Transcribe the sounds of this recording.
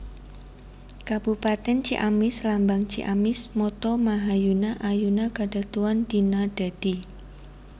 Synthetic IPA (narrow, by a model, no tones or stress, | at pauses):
kab̥upat̪ɛnt͡ʃḭʔamɪslambaŋt͡ʃḭʔamɪsmɔt̪ɔmaɦajunaʔajunakaɖ̥a̤t̪uwand̪̥inaɖ̥a̤d̥i